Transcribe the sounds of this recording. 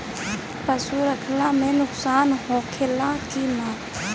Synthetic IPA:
pəsuɾəkʰlamẽnʊksaːnɦoːkʰelãkinãː

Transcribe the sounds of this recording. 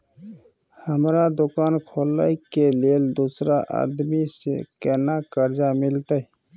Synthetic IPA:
həmɾad̪okankʰolːəjkeleld̪usɾaʔa̰d̪misḛkɛnakəɾd͡ʒamilt̪əj

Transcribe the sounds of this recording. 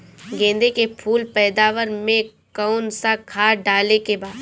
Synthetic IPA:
ɡẽːnd̪ekepʰuːlpɛːd̪aːʋəɾmẽkaʊnsakʰaːɖaːlekebaːd̪

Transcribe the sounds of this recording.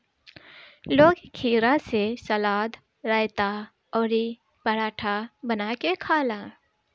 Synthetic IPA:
loːɡkʰiːɾasesɐlaːd̪ | ɾəɪt̪a | ɔːɾi | pəɾaːʈʰabənakekʰaːlãː

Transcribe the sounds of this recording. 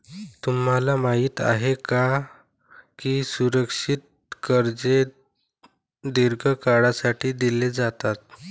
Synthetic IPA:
t̪um̤ɦalamaɦiːt̪a̰ɦeka | kiːsuɾəkʂit̪̚ | kəɾd͡ze | d̪iɾɡʱəkaɽasaʈʰiːd̪iled͡zat̪at̪̚

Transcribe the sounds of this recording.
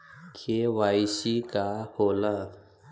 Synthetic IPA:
kʰeʋajɕikahola

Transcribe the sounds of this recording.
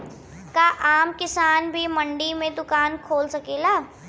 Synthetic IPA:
kaʔaːmkɪsaːnbʱimɐɳɖimẽd̪ʊkaːnkʰoːlsɐkeːlaː

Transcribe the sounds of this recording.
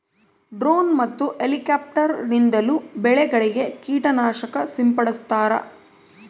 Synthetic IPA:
ɖɾoːnmɐt̪ːuʔelikaːp̚ʈɐɾnind̪ɐlubɛɭɛɡɐɭiɡe̞kiːʈɐnaːʃɐkɐsimpɐɽɐst̪aːɾɐ̰

